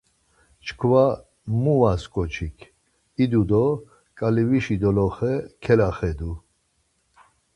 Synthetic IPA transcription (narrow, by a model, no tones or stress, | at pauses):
t͡ʃʰkʰva | muvaskʼɔt͡ʃʰikʰ | id̪ud̪ɔ | kʼaliviʃid̪ɔlɔχɛkʰɛlaχɛd̪u